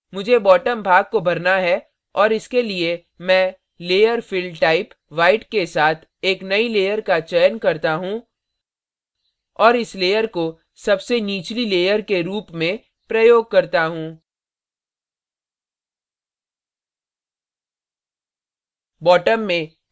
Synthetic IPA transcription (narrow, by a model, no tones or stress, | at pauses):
mʊd͡ʒʱebɔːʈəmbʱaːɡ̚kobʱɐɾnaɦɛ | ɔːɾɪskelie | mɛ̃ | leːjəɾfɪlɖʈaːɪp | ʋaːɪʈkesaːt̪ʰ | eːknɐileːjəɾkat͡ʃəjənkɐɾt̪aɦũ | ɔːɾɪsleːjəɾko | sɐbseniːt͡ʃlileːjəɾkeɾuːpmẽ | pɾɐjoːɡ̚kɐɾt̪aɦũː | bɔːʈəmːẽ